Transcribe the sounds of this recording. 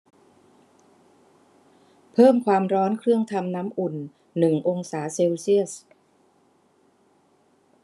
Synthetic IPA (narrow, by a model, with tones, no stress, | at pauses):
pʰɤː˥˩mkʰwaː˧mɾɔː˦˥nkʰɾɯ˥˩əŋt̪ʰa˧mnaː˦˥mʔu˨˩nː | ɯ˨˩ŋʔo˧ŋsaː˩˦seː˧wsi˥˩əs